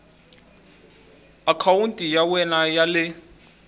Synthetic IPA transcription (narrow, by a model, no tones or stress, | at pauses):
akʰawuntʼijawɛnajalɪ